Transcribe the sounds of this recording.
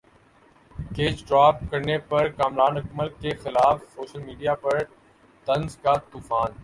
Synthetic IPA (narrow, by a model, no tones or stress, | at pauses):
keːt͡ʃʈaːpkəɾnepɐɾkaːmɾaːnɐkməlkexɪlaːfsoːʃəlmiːɖijaːpɐɾ | t̪ənzkaːt̪uːfaːn